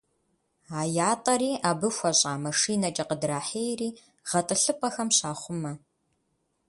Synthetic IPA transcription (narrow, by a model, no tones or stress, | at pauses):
aːjaːtʼɐɾiːʔaːbɨxʷɐɕʼaːmɐʂiːnɐt͡ʃʼɐqədraːħeːjriː | ʁ̥ɐtʼɨɬɨpʼɐxɐmɕaːχʷʊmɐ